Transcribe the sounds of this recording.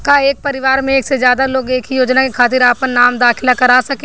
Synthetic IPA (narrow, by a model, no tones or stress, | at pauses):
kaeːk̚pɐɾɪʋaːɾmẽeːksezjaːd̪aloːɡeːkijoːd͡ʒnakekʰaːt̪̬ɪɾaːpənnaːmd̪aːkʰɪlakɐɾaːsɐkẽ